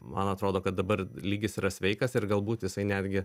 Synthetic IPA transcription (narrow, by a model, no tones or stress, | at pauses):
mɐ̰nɐt̪ɾoːd̪oːkɐt̪̚d̪ɐbɐɾlʲiːɡʲɪsiːɾɐsʲʋʲɛɪkɐsɪrɡɐlˠbuːt̪jɪsɐɪnʲæːd̪ʲɡʲɪ